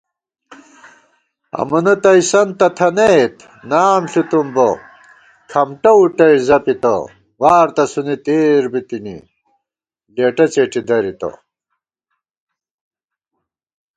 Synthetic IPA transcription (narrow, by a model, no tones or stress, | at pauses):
ɐ̰mɐnɐt̪ɐisɐnt̪ɐt̪ʰɐnejt̪ | naːmɬut̪umbɐ | kʰɐmʈɐuʈɐjzɐpit̪ɐ̰ | ɣaːɾt̪ɐsunit̪eːɾbit̪inḭ | leːʈɐt͡ɕeːʈid̪ɐɾit̪ɐ̰